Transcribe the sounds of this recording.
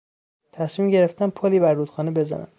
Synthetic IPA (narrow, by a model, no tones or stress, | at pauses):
t̪ʰæsmiːmɟe̞ɾeft̪æmpʰoliːbæɾːuːt̪xɒːnebe̞zæ̰næ̰m